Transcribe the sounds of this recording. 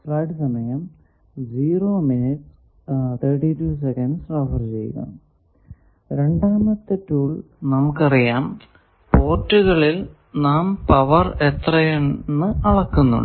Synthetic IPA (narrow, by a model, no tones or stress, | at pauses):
frɐjɖɨsɐmɐjɐm | d͡ʑiːroːminiʈs | t̪ʰɐːʈituːs̬ekɐnɖsrɐfɐrt͡ɕej̰ɣɐ̰m | ɾe̞ɳɖaːmɐt̪ːetːuːɭ | nɐmukːɐrijaːm | po̞ːʈːuɣɐɭil | naːmpɐʋɐret̪rɐjenːɨʔɐɭɐkːunːṵɳɖɨ